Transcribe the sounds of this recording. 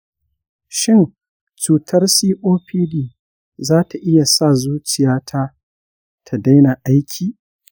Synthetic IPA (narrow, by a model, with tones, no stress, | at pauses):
ʃɪ˦n | t͡ʃuː˨tʰɐ˦rsiː˦ʔoː˦ɸiː˦diː˦˨ | zaː˦tʰa˨ʔɪ˦ja˨sa˦˨zuː˦t͡ʃɪ˨jaː˦tʰa˦ | tʰa˨da˦jna˨ʔa˦jkʲʰiː˨